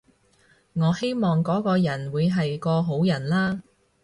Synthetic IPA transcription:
ŋɔː˨˧he˥jmɔː˨ŋkɔː˨˥kɔː˧jɐ˨˩nwuː˨˧jɦɐ˨jkɔː˧ɦo˨˥wjɐ˨˩nlaː˥

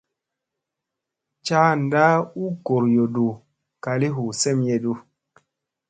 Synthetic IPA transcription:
t͡ʃa˦n˨da˦u˦ko˨ɾjo˨du˨ | ka˨li˦ɦu˨sɛ˦˨mje˨du˦˨

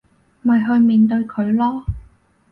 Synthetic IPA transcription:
mɐ˨jɦɵ˧ɥmiː˨˧nt̪ɵ˧ɥkʰɵ˨˧ɥlɔː˥

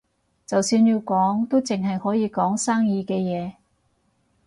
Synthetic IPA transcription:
t͡sɐ˨wsyː˧njiː˧wkɔː˨˥ŋt̪o˥wt͡sɪ˨ŋɦɐ˨jhɔː˨˥jiː˨˧kɔː˨˥ŋsaː˥ŋjiː˧kɛː˧jɛː˨˧

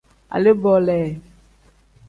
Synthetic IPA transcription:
a̰˨le˦bɔ˨lɛ˨

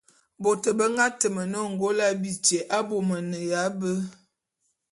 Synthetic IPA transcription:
bo˨tə˨bə˦ŋɡa˦tə˨mə˨nə˦˨ŋ̩˨ɡo˦la˦bi˨t͡ʃe˨ʔa˦bo˨mə˨nə˨ja˨˦bə˦

